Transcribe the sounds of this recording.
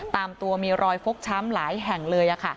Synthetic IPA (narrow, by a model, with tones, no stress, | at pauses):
t̪aː˧mt̪u˧ɐmiː˧ɾʔɔː˧jfo˦˥k̚t͡ɕʰa˦˥mlaː˩˦jɦɛ˨˩ŋlɤː˧jʔa˨˩kʰa˥˩